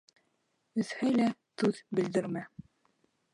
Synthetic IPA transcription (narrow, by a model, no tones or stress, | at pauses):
ɵ̆ðhæjlæt̪ʉðbɘ̆ld̪ɘ̆ɾmæ